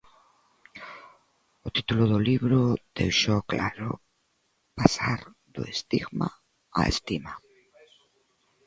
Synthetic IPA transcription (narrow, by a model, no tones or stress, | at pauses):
ot̪it̪uloðoliβɾod̪ewʃoklaɾo̰ | pasaɾðo̰est̪iɣma | a̰ḛst̪ima